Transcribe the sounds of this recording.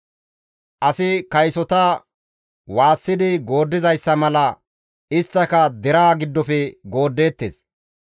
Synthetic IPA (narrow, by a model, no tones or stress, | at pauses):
ʔɐsɪkɐjsɔt̪ɐ | waːsːɪd̪ɪɡo̞ːd̪ːɪzɐjsːɐmɐlɐ | ɪst̪ːɐkɐd̪ɛɾaːɡɪd̪ːɔpɛɡo̞ːd̪ːe̞ːt̪ːḛːs